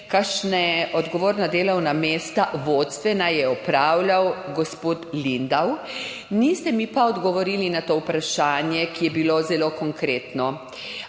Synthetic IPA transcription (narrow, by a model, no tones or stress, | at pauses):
kaʃnɛɔd̪ɡɔʋoːɾnad̪eːlɔwnameːst̪aʋot̪st̪ʋɛnajɛɔpɾaːwlawɡɔspot̪lind̪aw | nist̪ɛmipaɔd̪ɡɔʋɔɾiːlinat̪oːupɾaʃaːnjɛkijɛbilozɛlokɔŋkɾeːt̪nɔ